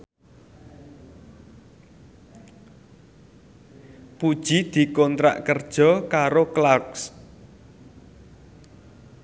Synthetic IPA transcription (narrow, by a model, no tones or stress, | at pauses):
pud̥ʒ̥i̤d̪̥i̤kɔnt̪ɾa̰ʔkərd̥ʒ̥ɔ̤kaɾoklaks